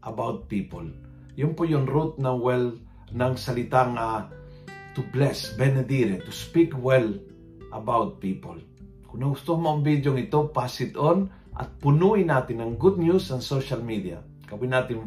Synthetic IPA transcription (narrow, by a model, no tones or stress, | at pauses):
ʔɐbawt̪̚piːpo̰l | jʊnpojonɾut̪̚nawɛl | nɐŋsɐlɪt̪aŋa | t̪ublɛsbɛnɛd̪iɾɛt̪uspikwɛl | ʔɐbawt̪̚piːpo̰l | kʊnɐɡʊst̪ohmoːmbid̪joŋɪt̪opasɪt̪on | ʔɐ̰t̪̚pʊnuinaːt̪ɪnːɐŋɡud̪̚njusɐnsowʃalmid̪ia̰ | kɐwinaːt̪ɪn